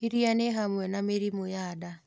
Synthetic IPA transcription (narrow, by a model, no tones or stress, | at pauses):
iɾianeɦamwɛnameɾimojada